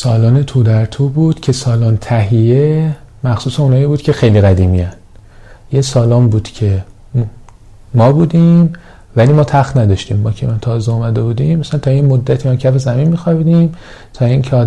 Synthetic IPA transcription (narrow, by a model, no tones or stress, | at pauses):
sɒːlɒːne̞t̪ʰuːd̪æɾt̪ʰuːbuːd̪̥cʰe̞sɒːlɔːnt̪ʰæɦije | mæxsuːseũnɒːiːbuːd̪cʰe̞xejliːɣæd̪iːmḭjæn | jesɒːlɒːmbuːd̪̥cʰe̞ | mɒːbuːd̪iːm | væliːmɒːt̪ʰæxt̪næd̪ɒʃt̪ḭːmbɒcʰemænt̪ʰɒːzeumæd̪e̞buːd̪imæsænt̪ʰɒːjemod̪ːæt̪ʰiːmɒːcʰæfe̞zæminmiːxɒːbiːd̪im | t̪ʰɒːiŋcʰeɒː